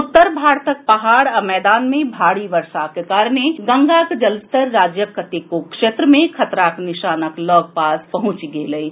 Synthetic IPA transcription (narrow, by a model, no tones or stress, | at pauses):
ʊt̪ːəɾbʱaːɾt̪ək̚pɐɦaːɽɐmɛːd̪aːnmẽbʱaːɽiʋəɾʃakekaːɾneɡɐ̃ŋɡakd͡ʒɐlst̪əɾːaːd͡ʒjəkət̪ekokʃeːt̪ɾəmẽkʰɐt̪ɾaknɪʃaːnəklɔːɡ̚paːspɐɦʊ̃t͡ʃiɡeːləiː